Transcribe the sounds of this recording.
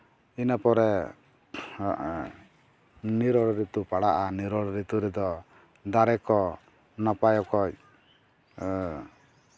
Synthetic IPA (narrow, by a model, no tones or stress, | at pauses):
inapɔɾɛ | niɾɔɽɾit̪upaɽaʔaniɾɔɽɾit̪uɾɛd̪ɔ | d̪aɾɛkɔ | napajɔkɔc̚